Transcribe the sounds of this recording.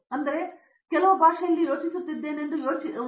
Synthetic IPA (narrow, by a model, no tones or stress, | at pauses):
ɐnd̪ɐɾe̞ | kɛlɐʋɐbʱaːʂɐjɐlːijo̞ːt͡ʃisut̪ːid̪ːe̞ːnend̪ujoːt͡ʃi